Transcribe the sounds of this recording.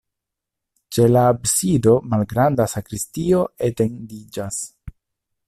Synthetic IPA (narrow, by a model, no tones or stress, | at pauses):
t͡ʃe̞laːbsido̞malɡɾandasakɾistio̞e̞te̞ndid͡ʒas